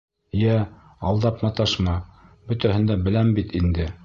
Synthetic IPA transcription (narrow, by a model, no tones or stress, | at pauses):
jæɑlˠd̪ɑpmɑt̪ɑʃmɑbɵ̆t̪æhɘ̆nd̪æbɘ̆læmbit̪ind̪ɘ